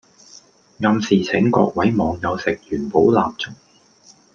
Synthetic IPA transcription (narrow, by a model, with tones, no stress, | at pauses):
ŋɐ˧msiː˨˩t͡sʰɪ˨˥ŋkɔ̰ː˧k̚wɐ˨˥jmɔː˨˧ŋjɐ˨˧wsɪ˨k̚jyː˨˩npo˨˥wla̰ː˨p̚t͡sʊ˥ŋ̚